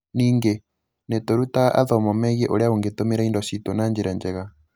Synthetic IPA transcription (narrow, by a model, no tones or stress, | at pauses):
niːŋɡe | netoɾutaaʔaðɔmɔmɛɣiɛʔoɾeaoŋɡetomeɾaindɔʃitonand͡ʒiɾɛnd͡ʒɛɣa